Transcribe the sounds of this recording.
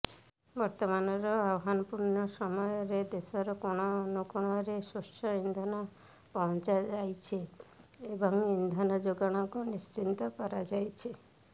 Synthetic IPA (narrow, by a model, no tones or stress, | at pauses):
bɔɾt̪ɔmanɔɾɔaɦanɔpuɾnɔsɔmɔjɔɾed̪esɔɾɔkoɽ̃ɔːnukɔɽ̃ɔɾesusʈʰɔind̪ʱɔnɔ | pɔɦɔnt͡ʃad͡ʒajt͡ʃʰiebɔŋind̪ʱɔnɔd͡ʒoɡɔɽ̃ɔŋkunist͡ʃint̪ɔkɔɾad͡ʒajt͡ʃʰi